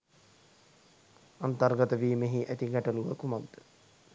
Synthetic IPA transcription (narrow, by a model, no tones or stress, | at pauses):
ant̪ɐrɡɐt̪əʋiːmeɦiʔæt̪iɡæʈəluʋəkumaɡ̚d̪̥ə